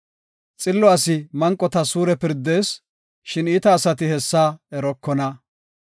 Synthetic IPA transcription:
t͡sʼɪlːɔɐsɪmɐŋkʼːɔt̪ɐsuːɾɛpɪɾd̪ːe̞ːs | ʃɪniːt̪ɐːsɐt̪ɪhɛsːaːɛɾɔkːɔnɐ

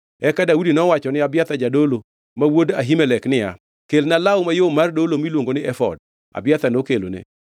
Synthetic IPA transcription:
ɛkadaudinɔwat͡ʃɔnɪabjat̪ad͡ʒadolo | mawodaɦimɛlɛknɪja̰ | kelnalaʊmajomardolomilwoŋɡonɪʔɛfɔ̰d̚ | a̰bɪjat̪anokelo̰nḛ

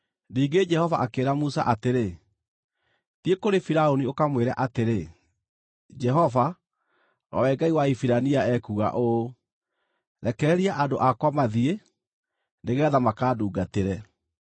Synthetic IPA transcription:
niːɡed͡ʒɛhɔvaʔakeɾamusa̰ʔateɾe | tiekoɾefiɾaoniokamweɾɛ̰ʔateɾe | d͡ʒɛɦɔva | ɾa̰wɛɡaiwaifiɾaniaɛkuɣa̰ʔo | ɾɛkɛɛɾiaʔadoʔakwamaðie | neɣɛːðamakaːduːɡateɾɛ

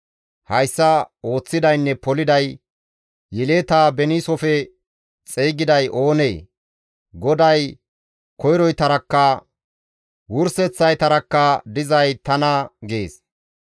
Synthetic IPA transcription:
hɐjsːɐo̞ːt͡sːɪd̪ɐjnːɛpɔlɪd̪ɐj | jɛleːt̪aːbɛniːsɔfɛ | t͡sʼejɡɪd̪ɐjʔo̞ːneː | ɡɔd̪ɐj | kɔjɾɔjt̪ɐɾɐkːɐ | wʊɾsɛt͡sːɐjt̪ɐɾɐkːɐd̪ɪzɐjt̪ɐnɐɡe̞ːs

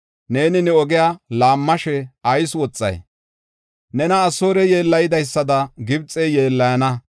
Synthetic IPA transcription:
ne̞ːnɪnɛɔɡɪjalaːmːɐʃɛɐjswɔt͡sʼːɐ̰j | nɛnɐːsoːɾɛje̞ːlːɐjɪd̪ɐjsːɐd̪ɐɡɪbt͡sʼeje̞ːlːɐjɐnɐ

